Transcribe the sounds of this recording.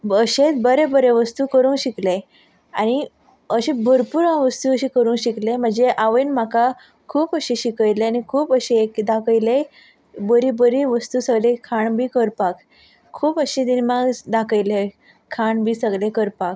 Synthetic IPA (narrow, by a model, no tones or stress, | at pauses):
əɕet̪bəɾebəɾeʋəst̪uːkəɾuːnɕikle | a̰ñi | əɕebʱəɾpuːɾãʋəst̪uəɕikəɾũːnɕiklem̤əɳd͡zeʔaʋənmaka | kʰuːpəɕiɕikəjleanikʰuːpəɕeekd̪akəjle | bəɾibəɾiʋəst̪uːsəɡlekʰaɳbʱiːkəɾpak | kʰːuːpəɕid̪inmaɡd̪akəjle | kʰaɳbʱiːsəɡlekəɾpak̚